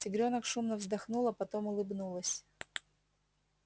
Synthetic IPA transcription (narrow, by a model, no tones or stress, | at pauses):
tʲɪɡɾʲo̞nəkʂumnəvzd̪ɐxnulˠəpɐt̪o̞mʊlˠɨbnulˠəsʲ